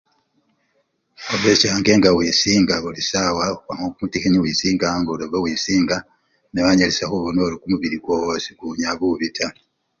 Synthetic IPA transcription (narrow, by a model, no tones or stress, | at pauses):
oβecaːŋɡe̞ŋɡawiːsiːŋɡaβulisawakaŋɡokumutixiniwiːsiːŋɡaŋɡoloβowiːsiːŋɡa | newaɲelesaxuβonolukumuβiɾiɡwowosiɡuɲaβuβitʰa